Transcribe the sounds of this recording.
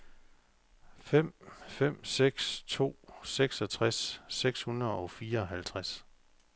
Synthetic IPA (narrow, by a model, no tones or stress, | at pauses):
fem̰fem̰seɡ̥st͡sʰo̝̰ːseɡ̥sɒ̽t͡sʰʁasːeɡ̥shunɐðˠɒ̽fiːɐɒ̽ɦælt͡sʰʁas